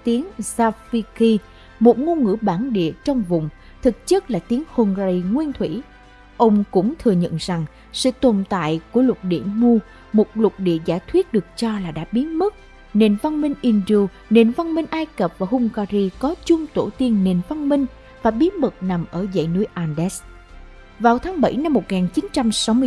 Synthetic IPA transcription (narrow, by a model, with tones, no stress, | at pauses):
t̪i˨˦əŋzaː˧fi˧ki˧ | mo˨˩t̚ŋo˧ŋɨ̰˧˩ɓaː˧˩nɗḭ˧˨ət͡ɕɔ˧wŋ͡mvʊ˨˩ŋ͡m | t̪ʰɨ˨˩k̚t͡ɕɨ˦˥k̚laː˨˩t̪i˨˦əŋho˨˩nzi˨˩ŋwi˧ənt̪ʰwḭ˧˥ | ʔə˧wŋ͡mkʊ̰˧˥ŋ͡mt̪ʰɨ˨˩əɲə̰˧˨nza˨˩ŋ | sɨ̰˧˨t̪o˨˩nt̪a̰ː˧˨jku˧˩əlʊ˨˩k͡p̚ɗḭ˧˨əmu˧ | mo˨˩t̚lʊ˨˩k͡p̚ɗḭ˧˨əzaː˧˩jt̪ʰwi˦˥ət̚ɗɨ˨˩ək̚t͡ɕɔ˧laː˨˩ɗa̰ː˧˥ɓi˨˦nmɨ˦˥t̚ | ne˨˩nva˧nmï˧ŋ̟ʔi˧nzu˧ | ne˨˩nva˧nmï˧ŋ̟ʔaː˧jkə˨˩p̚vaː˨˩hʊ˧ŋ͡mkaː˧zi˧kɔ˨˦t͡ɕʊ˧ŋ͡mt̪o˧˩t̪i˧ənne˨˩nva˧nmï˧ŋ̟ | vaː˨˩ɓi˨˦ənɓə˨˩k̚na˨˩mʔəː˧˩zə̰˧˨jnu˨˦əjʔaː˧nɗɛ˦˥s | vaː˨˩wt̪ʰaː˨˦ŋɓə˧˩jna˧mːo˨˩t̚ŋaː˨˩nt͡ɕi˨˦nt͡ɕa˧msa˨˦wmɨ˧